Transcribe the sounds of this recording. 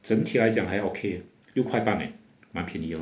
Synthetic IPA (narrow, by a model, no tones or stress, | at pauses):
t͡sənt̪ʰilajt͡ɕjaŋhajʔokʰe | ljokʰwajpanḛ | mãnpʰjiniə